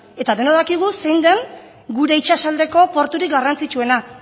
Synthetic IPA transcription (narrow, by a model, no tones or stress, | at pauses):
e̞t̪aðe̞noðakiɣ̞use̞jnd̪eŋ | ɡuɾe̞it͡ʃasald̪e̞ko̞po̞ɾt̪uɾik̚ɡarant͡sit͡ʃue̞na